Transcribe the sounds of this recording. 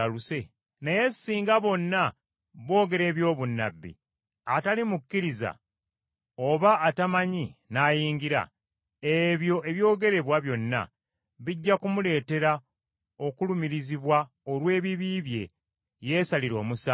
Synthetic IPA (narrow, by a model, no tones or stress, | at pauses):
aluse̞ | neje̞siːŋɡaβo̞nːa | βo̞ːɡe̞ɾe̞ːβjo̞ːβunːa̰bːḭ | atalimukːiɾiza̰ | o̞βaʔːtamaɲinaːjiːŋɡiɾa̰ | eβjo̞ʔe̞βjo̞ːɡe̞ɾe̞βwaβjo̞nːa̰ | βiɟːakumule̞ːte̞ɾa | o̞kulumiɾiziβwa | olwe̞ːβiβiβje̞ | je̞ːsaliɾo̞ːmusa